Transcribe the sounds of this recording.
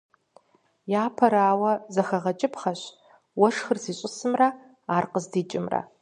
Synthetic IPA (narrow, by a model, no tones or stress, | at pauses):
jaːpʰɐɾaːwɐzɐxɐʁɐt͡ʃʼɪpʰχɐɕ | wɔʂxɨrsiːɕʼɪsɨmrɐ | aːrqəzdiːt͡ʃʼɪmrɐ̰